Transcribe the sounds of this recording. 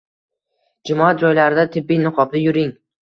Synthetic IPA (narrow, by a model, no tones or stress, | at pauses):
d͡ʒʊmɒat̪̚d͡ʒɒjlaɾɪd̪at̪ʰɪbːijnɨqʰɒbd̪ajʊɾɪŋ